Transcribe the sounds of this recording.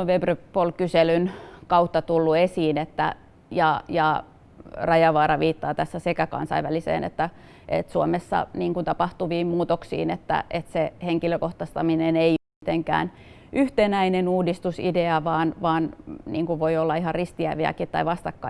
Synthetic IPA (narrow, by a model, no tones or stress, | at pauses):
ʋebrøpolkyselynkɑut̪ːɑt̪ulːuesiːnet̪ːæ̰ | jɑjɑ | rɑjɑʋɑːɾɑʋiːt̪ːɑːt̪æsːæsekækɑ̰nsɑ̰iʋʋælisḛːnḛt̪ːæ | ʔḛt̪suomesːɑ̰niːŋkunt̪ɑpɑht̪uʋiːmmuːt̪oksḭːnet̪ːæ̰ʔet̪seheŋkiløkoht̪ɑst̪ɑminenei | it̪eŋkæ̰ːn | ʔyht̪enæinenuːdist̪usḭdeɑʋɑːnʋɑːnnḭːŋkuʋʋoiolːɑihɑrrist̪iæ̰iʋiæ̰kit̪ːɑ̰iʋɑst̪ɑkːɑ